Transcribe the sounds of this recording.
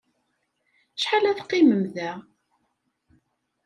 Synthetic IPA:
ʃħalæθqːɪməmðæ

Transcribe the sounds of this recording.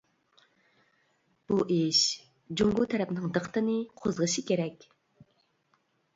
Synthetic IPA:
b̥uʔeʃ | d͡ʒoŋɡʊt̪ʰɛɾɛpnɪŋd̪əqt̪ɨnɨqʰozʁəʃikʲʰeɾɛkʲ

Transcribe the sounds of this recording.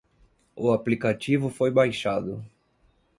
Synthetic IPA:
ʊaplikat͡ʃivʊfojbajʃad̪ʊ

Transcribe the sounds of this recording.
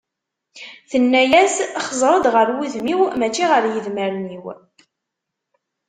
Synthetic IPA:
θənːæjæsχəzˤɾˤəd̪ʁəɾwiðmiwmæt͡ʃːiʁəɾjəðməɾniw

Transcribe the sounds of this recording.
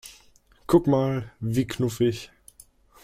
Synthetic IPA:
kʰʊkmaːlviːkʰnʊfɪç

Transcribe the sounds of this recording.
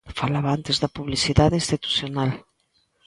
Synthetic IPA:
falaβaant̪ezðapuβlisiðaðĩnst̪it̪u̥sjonal

